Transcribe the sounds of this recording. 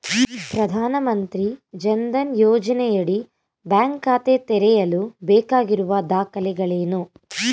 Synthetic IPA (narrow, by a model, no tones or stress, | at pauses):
pɾɐd̪ʱaːnɐmɐnt̪ɾid͡ʒɐnd̪ɐnjɔːd͡ʒɐnɛjɐɽi | bjaːŋkaːt̪et̪ɛɾɛjɐlubɛːkaːɡiɾuʋɐd̪aːkɐlɛɡɐɭeːnu